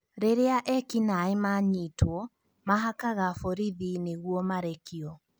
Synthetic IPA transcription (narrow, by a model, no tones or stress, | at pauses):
ɾeɾeaʔɛkinaemaɲitwɔ | maɦakaɣafoɾiðineɣwɔmaɾɛkiɔ